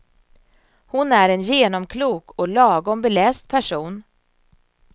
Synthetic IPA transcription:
hʊnæɾɛnjeːnɔmkʰluːkɔlɑːɡɔmbɛlɛːst̪̚pʰæʂuːn

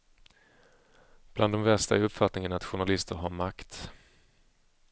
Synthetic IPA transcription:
b̥land̪ːɔmvɛʂt̪aæɾɵpfat̪nɪŋənat̪ɧʊɳalɪst̪əɾɦaɾmakt̪

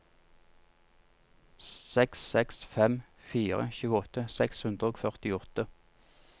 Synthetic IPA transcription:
sɛksɛksfɛm | fiːʁə̰çʉːəɔt̪əsɛkshʉnd̪ʁəoːɡfœʁt̪ɪɔt̪ə

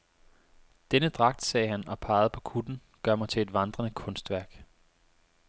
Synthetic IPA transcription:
d̥enəd̥ʁɑ̈ɡ̥̚d̥sɛːɦænɒ̽pʰɑ̈ːð̞̩ˠpʰɒ̽kʰud̥n̩ | ɡ̥ɶɐ̰mɑt͡sʰe̝le̝d̥ʋɑ̈nd̥ʁɐnəkʰɔ̽nsd̥ʋæɐɡ̥

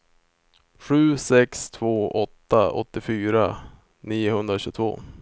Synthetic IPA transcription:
ɧʉ̟ːsɛkst̪ʰv̥oːʔɔt̪ːaɔ̰t̪ːɪfyːɾa | niːʊhɵnd̪ɾaɕʉ̟ːt̪ʰvo̰ː

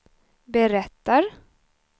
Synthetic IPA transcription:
bɛɾɛt̪ːaɾ

